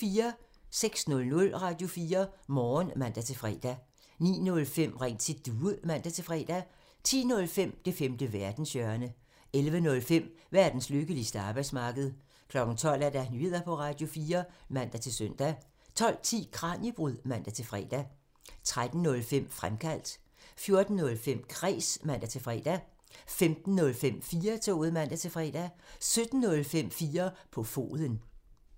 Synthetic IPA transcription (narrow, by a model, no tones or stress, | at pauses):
fiːɐ | seɡ̥snɔ̽lnɔ̽lʁɑ̈ːd̥jo̝fiːɐmɒːnmæn̰d̥æt͡sʰe̝lfʁɛ̰ːd̥æ | nḭːnɔ̽lfem̰ʁeŋ̰t͡sʰid̥uːəmæn̰d̥æt͡sʰe̝fʁɛ̰ːd̥æ | t͡sʰḭːnɔ̽lfem̰d̥e̝femd̥əʋæɐd̥n̩sjœɐnə | elʋənɔ̽lfem̰ʋæɐd̥n̩sløɡ̥əlisd̥əɑ̈ːb̥ɑ̈ɪ̥smɑ̈ːɡ̥əð̞̩ˠ | kʰlɒ̽ɡ̥n̩t͡sʰɒ̽l̰æɐd̥ænyð̩̰ˠæpʰɒ̽ʁɑ̈d̥jo̝fiːɐmæn̰d̥æt͡sʰe̝søn̰d̥æ | t͡sʰɒ̽l̰t͡sʰḭːkʰʁɑ̈ːnjib̥ʁuðˠmæn̰d̥æt͡sʰe̝lfʁɛ̰ːd̥æ | t͡sʰʁad̥n̩nɔ̽lfem̰fʁamkʰæl̰d̥ | fjo̝ɐd̥n̩ːɔ̽lfem̰kʰʁɛ̰ːsmæn̰d̥æt͡sʰe̝lfʁɛ̰ːd̥æ | femd̥n̩ːɔ̽lfem̰fiːɐt͡sʰo̝̰ːð̩ˠmæn̰d̥æt͡sʰe̝fʁɛ̰ːd̥æsød̥n̩ːɔ̽lfem̰fiːɐpʰɒ̽fo̝̰ːðˠən